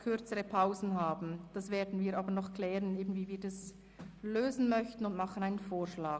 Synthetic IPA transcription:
kʰʏɐt͡səʁəpʰaʊzn̩haːbn̩d̥ɑsv̥eːɐdn̩viːʔaːbənɔχkʰlɛːʁəneːbn̩viːviːɐdɑs | løːzn̩mœçtn̩ʊndmɑχən̩aɪnənfoːɐʃlaː

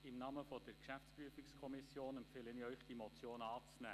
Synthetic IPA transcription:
ɪmnɑːməfɔd̥əɾkʃæft͡spɾyəfikskʰɔmisjoːnɛmpfeːlənɪœʏχd̥imɔt͡sjoːnɑːt͡snæ̰ː

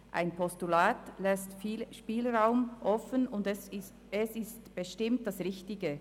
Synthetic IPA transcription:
ʔʔa̰ɪnpʰɔstulaːtlɛstfiːlʃpiːlʁaʊmʔɔfənʊnds | ɛsɪstb̥əʃtɪmt̚d̥asʁɪçtɪɡə

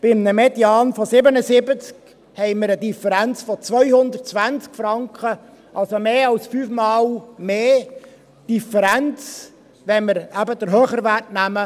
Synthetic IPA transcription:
b̥ɪmnəmɛdjɑːnfɔsɪbənəsɪbət͡sk | hɛɪməɾədifəɾænt͡sfɔt͡svʋœʏhʊnd̪ərt̚t͡sʋænt͡skfɾɑŋkə | ʔɑlsomeːɑlsfyːfmɑːlmeː | d̥ifəɾænt͡s | ʋɛnməɾæbəd̪əɾɦøːχəɾʋærtnæmə

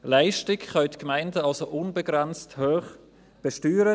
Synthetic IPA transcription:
laɪʃtɪkχœɥtkmaɪndəɑlsoʔʊnbəɡʁɛnt͡sthøːχ | b̥əʃtyːɾə

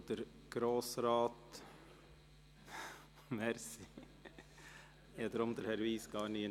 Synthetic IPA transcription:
d̪əɾ | ɡ̥ɾoːsɾɑːt̪ | mɛɾsɪ | ɛt̪əɾɔmd̪əɾhɛɾʋiːsɡɑːɳi

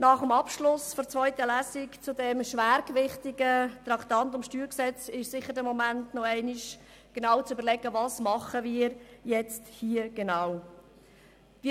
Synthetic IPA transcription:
nɑχəmɑpʃlʊsfɔɾt͡svɔʏtəlæːsɪkt͡sudɛmʃvæːɾkvɪχtɪɡət̪ɾɑkt̪ɑntʊmʃtyːɾksɛt͡sɪʃsɪχəɾdɛmɔmæntnɔɛɪnɪʃ | ɡ̥enɑːwt͡sybəɾlɛɡəvɑsmɑχəviːɾjɛt͡sthiəɡ̥enaw | vi

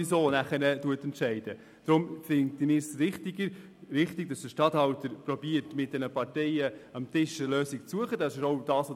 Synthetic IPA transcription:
isoːnæχənətuətɛntʃɛɪd̥ə | d̥ɾʊmfɪŋt̪əmɪsɾɪχt̪iɡəɾ | ɾɪχtɪɡ̥̚d̥ɑsd̪əʃtɑthɑwtəɾpɾɔbiːəɾtmɪt̚d̥ɛnəpɑɾtɛɪəɑmt̪ɪʃəløːsɪkt͡suəχədɑsɪʃoʊd̥ɑːsʋo

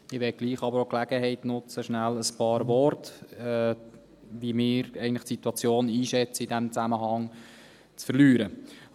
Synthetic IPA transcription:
ɪʋɛt̚ɡ̥liːχɑbəɾoklæɡ̥əɦɛɪtnʊt͡səʃnæləspɑːɾvɔrtɛ | ʋimɪːɾɛɪɡəntlɪχtsit̪wɑt͡sjoːniːʃɛt͡səidæmt͡sæməɦɑŋ | t͡sfəɾlyːɾə

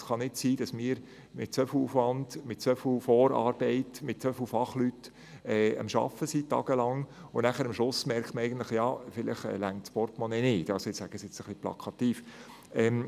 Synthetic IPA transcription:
sχɑnɪtsiːd̥ɑsmɪːəɾ | mɪt̚t͡sʋœfl̩ufʋɑndmɪtt͡sœfl̩fɔːɾɑ̰ːɾb̥ɛɪtmɪt̚t͡sœfl̩fɑχlyt | ɛːə̰mʃɑ̰fəsiːtːɑ̰ːɡ̥əlɑŋʊnæχəɾəmʃlʊsmɛɾktməɛɪɡ̥əntləχjɑːfɪlɪχɛ̰ːlæŋtspɔɾtmonɛnɪːd̥ɑsoɪt͡sshæɡ̥əsɪt͡səχliplɑ̰kʰɑt̪iːf | ɛm

